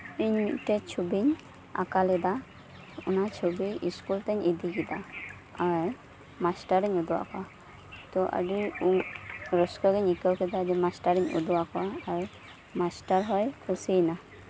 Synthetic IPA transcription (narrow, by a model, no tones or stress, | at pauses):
iɲmitɛt͡ʃʰubiɲ | a̰kalɛd̪a | ṵnat͡ʃʰubiiskult̪eɲid̪ʱikid̪a | aj | masʈaɾiɲud̪uwa̰ka | t̪ɔʔa̰ɖiuɾɔskɔɡiɲikəwkʰɛd̪ad͡ʒɛmasʈaɾiɲṵd̪uakɔaːɾ | masʈaɾɦɔjkʰusijna